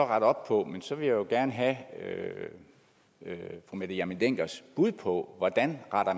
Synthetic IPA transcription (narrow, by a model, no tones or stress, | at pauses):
ɒʁɑ̈ɾ̥ɒ̽b̥̚pʰɒ̽mensɒ̽ʋe̝jajo̝ɡ̥æɐnəɦæø | fʁumed̥ɐjɑmind̥eŋ̰ɡ̥ɐsb̥uð̞̰ˠpʰɒ̽ʋɒd̥ænʁɑ̈ɾ̥ɐ